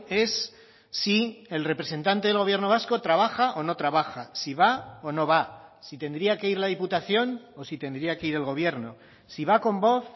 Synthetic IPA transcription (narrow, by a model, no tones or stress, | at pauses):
e̞sː | ie̞lre̞pɾe̞se̞nt̪ant̪e̞ð̞elɣ̞oβjeɾno̞β̞asko̞t̪ɾaβ̞axaʔo̞no̞t̪ɾaβaxasiβ̞aono̞βasit̪e̞nd̪ɾiake̞iɾlað̞iput̪aθjo̞nosit̪e̞nd̪ɾiake̞iɾe̞lɣ̞o̞β̞je̞ɾno̞ | siβako̞mbo̞θ